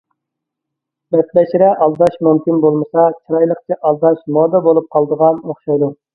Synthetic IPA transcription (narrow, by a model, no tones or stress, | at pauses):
bɛt̪bɛʃɾɛʔɑlˠd̪ɑʃmumkʲinbolˠmɨsɑt͡ʃʰɾɑjlˠəqt͡ʃʰɛʔɑlˠd̪ɑʃmɔd̪ɑbolˠup̚qʰɑlˠd̪əʁɑnoχʃɑjd̪u